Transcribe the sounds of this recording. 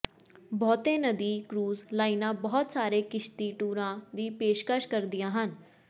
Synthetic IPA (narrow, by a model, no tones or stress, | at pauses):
bɔːt̪ẽːnəd̪iːkɾuːzlaːinãːbɔːt̪saːɾeːkɪʃt̪iːʈuːɾãːd̪iːpeːʃkəʃkəɾd̪ɪjãːɦən